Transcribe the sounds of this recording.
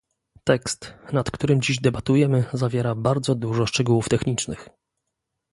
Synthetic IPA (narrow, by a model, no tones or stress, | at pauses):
t̪ɛkst̪nat̪kt̪uɾɘmd͡ʑiʑd̪ɛbat̪ujɛmɘzavʲjɛɾabaɾd̪zɔd̪uʐɔʂt͡ʂɛɡuwuft̪ɛxɲit͡ʂnɘx